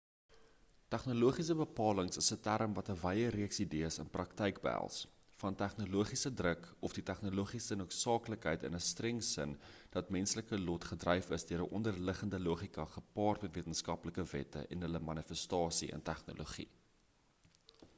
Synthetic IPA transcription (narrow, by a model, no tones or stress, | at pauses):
tæχnoluəχisəbəpɑːləŋsəsətæɾəmvɐtəvɛjəɾiəksidiəsənprɐktəjkbəæ̰lˠs | fɐntæχnoluəχisədrəkɔfditæχnoluəχisənuətsɑːkləkɦəjtə̰nəstrɛŋsə̰nd̥ɐtmɛnsləkəlɔtχədrɛjfəsdiəɾəʔɔndərləχəndəluəχikɐχəpɑːrtmɛtviətənskɐpləkəvɛ̰tə̰ʔɛnɦələmɐnifəstɑːsiə̰ntæχno̰lʔoχḭ